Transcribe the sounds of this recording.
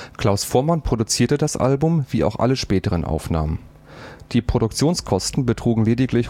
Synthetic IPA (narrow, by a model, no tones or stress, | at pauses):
kl̥aʊsfoːɐmanpʁ̥odut͡siːɐtədasʔa̰lbʊmviːʔa̰ʊxʔa̰ləʃpɛːtəʁ̞ənʔa̰ʊfna̰ːmən | d̥iːpʁ̥odʊk̚t͡sjoːnskʰɔstn̩bətʁ̥uːɡŋ̩leːdɪklɪç